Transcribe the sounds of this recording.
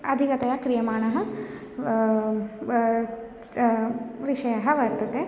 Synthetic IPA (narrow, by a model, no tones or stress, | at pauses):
ɐd̪ʱikɐt̪ɐjɐkɾijɐmaːɳɐɦɐ | ʋiʂɐjɐɦɐʋɐɾt̪ɐt̪e